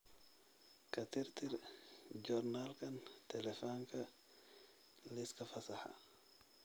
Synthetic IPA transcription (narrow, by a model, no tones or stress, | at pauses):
kʰɐt̪ʰɪrt̪ʰɪrd͡ʒɔrnalkʰɐnt̪ʰɛlɛfɔːŋkʰɐ | lɪskʰɐfɐsɐħa̰